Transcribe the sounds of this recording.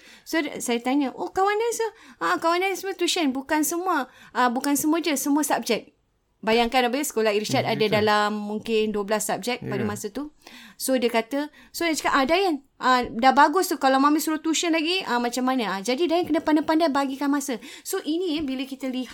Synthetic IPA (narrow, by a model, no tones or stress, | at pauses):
sosajət̪aɲəʔokawandajsəaakawandajsəmuət̪uʃənbukansəmuəʔəbukansəmuəd͡ʒəsəmuəsap̚d͡ʒɛk̚ | bajaŋkanabaəsə̥kolahiɾit͡ʃat̪adadalamːuŋkɪnduəblasːap̚d͡ʒɛk̚padəmasət̪usodiəkat̪ə | sodad͡ʒkaʔadajən | ʔədabaɡʊst̪ukalawmamisuɾʊt̪uʃənlaɡiamat͡ʃamːanəad͡ʒadidajəŋkənapandapandajbaɡikanmasəsoʔinĩbiləkit̪əlih